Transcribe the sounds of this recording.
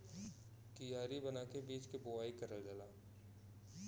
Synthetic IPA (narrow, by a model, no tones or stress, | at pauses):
kijaːɾibənaːkebiːt͡ʃkeboʋaːikɐɾəld͡ʒəlaː